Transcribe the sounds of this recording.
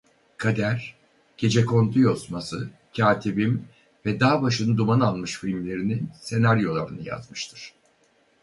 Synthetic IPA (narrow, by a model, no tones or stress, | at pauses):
kʰad̪æɾ̥ | ɟ̥e̞d͡ʒɛkʰo̞nt̪ʰujo̞smasɯ | cʰaːt̪ʰibim | vɛd̪aːbaʃɯnɯd̪umanalˠmɯʃfilʲmlʲe̞ɾininse̞naɾjo̞lˠaɾɯnɯja̰zmɯʃt̪ʰɯɾ̥